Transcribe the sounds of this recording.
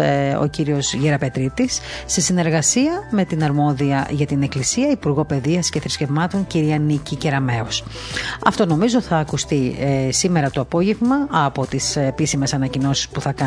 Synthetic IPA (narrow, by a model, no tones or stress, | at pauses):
o̞̰ciɾio̞zʝeɾɐpe̞t̪ɾit̪isːesine̞ɾɣɐsiɐme̞t̪inɐɾmo̞ðiɐʝɐt̪ine̞klisiɐipuɾɣo̞pe̞ðiɐsce̞θɾisce̞vmɐt̪o̞ɲciɾiɐnicice̞ɾɐme̞os | ɐ̰ft̪o̞no̞mizo̞θɐːkust̪isime̞ɾɐt̪o̞ɐpo̞ʝe̞vmɐɐpo̞t̪ispisime̞sɐnɐcino̞si̥spuθɐkɐ